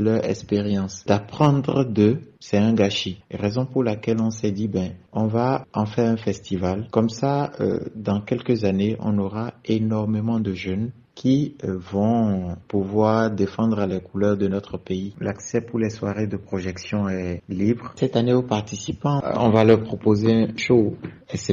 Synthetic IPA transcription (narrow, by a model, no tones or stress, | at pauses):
lœʁɛkspeʁjɑ̃sd̪̥apχɑ̃d̪ʁəd̪əsɛɛ̃ɡaʃiʁezɔ̃puʁlakɛlɔ̃sɛd̪ibjɛ̃ɔ̃vaɑ̃fɛʁɛ̃fɛst̪ivalkɔmsaø̰d̪ɑ̃kɛlkəzaneʔɔ̰̃noʁaenɔʁmemɑ̃d̪əʒən | kʰʲivɔ̃puvwaːʁd̪efɑ̃d̪ʁəlɛkulœʁd̪ənɔt̪χəpeilaksɛpuʁlɛswaʁed̪əpχoʒɛksjɔ̃ɛlibʁsɛt̪aneopaʁt̪isipɑ̃ɔ̰̃valœʁpχopozeɛ̃ʃo | ɛsɛ